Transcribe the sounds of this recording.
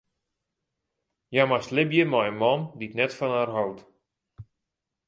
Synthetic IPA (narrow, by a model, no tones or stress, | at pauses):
jamaslɪbjəmajəmɔnditnɛtfɔnaːrɦɔwt